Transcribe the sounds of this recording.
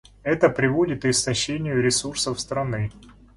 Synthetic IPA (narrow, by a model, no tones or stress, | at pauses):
ɛt̪əpɾʲɪvodʲɪt̪ɨɪst̪ɐɕːenʲɪjʊɾʲɪsursəfst̪ɾɐnɨ